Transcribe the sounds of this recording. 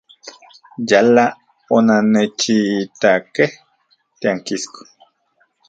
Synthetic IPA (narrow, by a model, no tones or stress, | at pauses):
jala | onanet͡ʃit̪akeh | t̪eaŋkisko̥